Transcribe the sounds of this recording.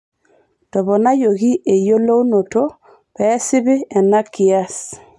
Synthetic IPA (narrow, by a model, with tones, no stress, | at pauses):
tɔ˨βɔ˨na˦jo˨ɣi˦ʔe˨jo˦lo˦u˦no˨to˦ | pɛ˦sɪ˦βɪ˦ɛ˨na˦ki˨a˦s